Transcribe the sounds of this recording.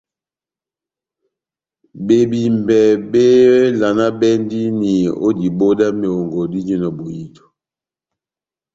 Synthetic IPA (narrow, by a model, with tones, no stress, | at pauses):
be˨bi˨mbɛ˨be˦la˨na˦bɛ˦ndi˦ni˨o̰˦di˨bo˦da˦mi˨o˨ŋɡo˨di˦d͡ʒi˦nɔ˨bo˨ji˦tɔ̥˨